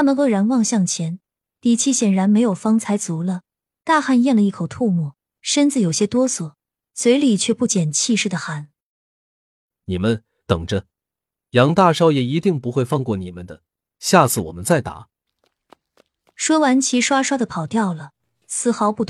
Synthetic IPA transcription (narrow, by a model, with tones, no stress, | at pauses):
t̪ʰa˥mə˨nxɤ˧˥ɻa˧˥nwɑ˥˧ŋɕjɑ˥˩ŋt͡ɕʰjɛ˧˥n | t̪i˨˩t͡ɕʰi˥ɕjɛ˨˩nɻa˧˥nme˧˥ɪjo˨˩ʊfɑ˥ŋt͡sʰa˧˥ɪt͡su˧˥lə˧ | t̪a˥˧xa˥˧njɛ˥˩nlə˩i˥˩kʰo˨˩ʊt̪ʰu˥˧mɔ˥˩ | ʂə˥nt͡sɹ̩˥˩jo˨˩ʊɕjɛ˥t̪wɔ˥swɔ˨˩ | swe˧˥ɪli˨˩t͡ɕʰɥɛ˥˧pu˥˩t͡ɕjɛ˨˩nt͡ɕʰi˥˧ʂɻ̩˥˩d̪ə˩xa˧˥n | ni˨˩mə˦n | t̪ɤ˨˩ŋʈ͡ʂə˦ | jɑ˧˥ŋt̪a˥˩ʂɑ˥ʊjɛ˨˩i˧˥t̪i˥˩ŋpu˧˥xwe˥˧ɪfɑ˥˧ŋkwɔ˥˩ni˨˩mə˦nd̪ə˦ | ɕja˥˧t͡sʰɹ̩˥˩wɔ̰˨˩mə˦nt͡sa˥˩ɪt̪a̰˧˥ | ʂwɔ˥wa˧˥nt͡ɕʰi˧˥ʂwa˥ʂwa˥d̪ə˨pʰɑ˨˩ʊt̪jɑ˥˩ʊlə˩ | sɹ̩˥˩xɑ˧˥ʊpu˥˩t̪ʰ